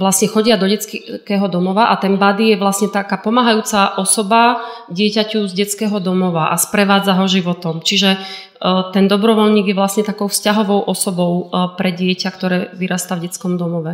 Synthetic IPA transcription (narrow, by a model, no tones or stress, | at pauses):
ʋlasɲɛxɔɟɪad̪ɔɟɛt͡skɛɦɔd̪ɔmɔʋaʔat̪ɛnbad̪ijɛʋlasɲɛt̪akaːpɔmaːɦajuːt͡saʔɔsɔbaɟɪɛcacuzɟɛt͡skɛːɦɔd̪ɔmɔʋaʔa̰spɾɛʋaːd͡zaɦɔʒiʋɔt̪ɔmt͡ʃiʒɛ | t̪ɛnd̪ɔbɾɔʋɔlɲiːɡjɛʋlasɲɛt̪akɔʊfscaɦɔʋɔʊʔɔsɔbɔʊpɾɛɟɪɛcakt̪ɔɾɛːʋiɾaːst̪avɟɛt͡skɔmd̪ɔmɔʋɛ